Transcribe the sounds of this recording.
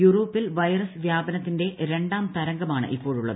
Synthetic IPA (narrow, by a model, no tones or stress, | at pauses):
juro̞ːpːilʋɐjɐrɐssʋjaːbɐnɐt̪ːinde̞ɾe̞ɳɖaːmt̪ɐɾɐŋɡɐmaːɳɨ̰ʔipːo̞ːɻuɭːɐ̰ð